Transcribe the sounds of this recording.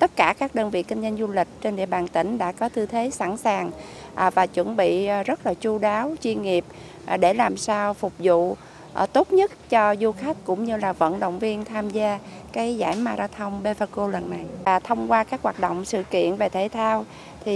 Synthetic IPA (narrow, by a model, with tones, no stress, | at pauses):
t̪ə˦˥t̚kaː˧˩kaː˦˥k̚ɗəː˧nvḭ˧˨kï˧ŋzə˧nzu˧lï˨˩k̟̚t͡ɕe˧nɗḭ˧˨əɓaː˨˩nt̪ï˧˩ŋ̟ɗa̰ː˧˥kɔ˨˦t̪ʰɨ˧t̪ʰe˨˦sa̰˧˥nsaː˨˩ŋ | ʔvaː˨˩t͡ɕwə̰˧˥nɓḭ˧˨zə˦˥t̚laː˨˩t͡ɕu˧ɗaː˨˦wt͡ɕwi˧ənŋi˨˩əp̚ | ɗe˧˩laː˨˩msaː˧wfʊ˨˩k͡p̚zṵ˧˨ | ʔt̪o˦˥t̚ɲə˦˥t̚t͡ɕɔ˧zu˧xa˦˥t̚kʊ̰˧˥ŋ͡mɲɨ˧laː˨˩və̰˧˨nɗo̰˧˨wŋ͡mvi˧ənt̪ʰaː˧mzaː˧kaː˨˦jza̰ː˧˩jmaː˧za̰˧t̪ʰə˧wŋ͡mɓe˧vaː˧ko˧lə˨˩nːa˨˩jvaː˨˩t̪ʰə˧wŋ͡mkwaː˧kaː˦˥k̚ɦwaː˨˩t̚ɗo̰˧˨wŋ͡msɨ̰˧˨kḭ˧˨ənve˨˩t̪ʰe˧˩˦t̪ʰaː˧w | t̪ʰi˨˩